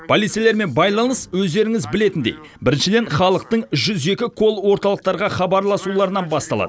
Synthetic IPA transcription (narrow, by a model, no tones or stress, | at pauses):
pʰolit̪sieleɾme̞nbɑjlˠɑnəswɵzd̪e̞ɾɪŋɪzbɪle̞t̪ɪnd̪ej | bɪɾɪnʃɪd̪e̞nχɑlˠəq̚t̪əɴʒʏze̞kʲɪkʰo̞lˠwo̞ɾt̪ɑlˠəq̚t̪ɑɾʁɑχɑbɑɾlˠɑsulˠɑɾənɑnbɑst̪ɑlˠɑ̰d̪ə